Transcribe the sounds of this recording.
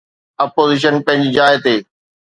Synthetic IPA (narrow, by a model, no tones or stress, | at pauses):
ɐpoːziːʃ̬ənpɐ̃ɦɪ̃ɲd͡ʑd͡ʑaːet̪eː